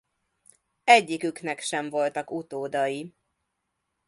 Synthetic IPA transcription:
ɛɟːikyknɛkʃɛɱvo̞lt̪ɒkut̪oːd̪ɒji

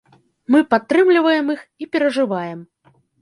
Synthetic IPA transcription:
mɨpat̪ːɾɨmlʲivɐjɛmixipʲɛɾɐʐɨvajɛm

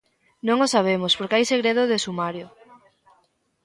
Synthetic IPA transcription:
nõŋosaβ̞emospoɾkɪajseɣɾeðoðesumaɾjo

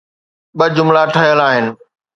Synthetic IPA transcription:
ɓɐd͡ʑʊmlaʈʰəɦjəlaːɦɪnɪ̆

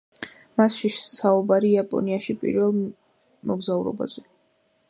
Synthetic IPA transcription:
masʃiʃsaubaɾiapʼɔ̰niaʃipʼḭɾvɛlˠ | mɔɡzauɾɔ̰ba̰z̥ɛ

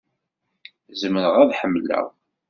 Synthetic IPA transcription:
zəməɾəʁæðħəmːlæ̰ʁ

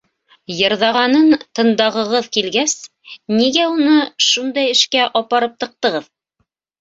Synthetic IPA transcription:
jɤ̆ɾðɑʁɑnɤnt̪ɤ̆nd̪ɑʁɤ̆ʁɤðkilɡæs | niɡæunɤʃund̪ɑjɘ̆ʃkæʔɒpɑɾɤp̚t̪ɤ̆q̚t̪ɤ̆ʁɤð

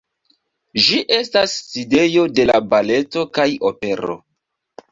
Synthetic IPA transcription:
d͡ʒiʔe̞stasːide̞jo̞de̞labale̞to̞kajope̞ɾo̰

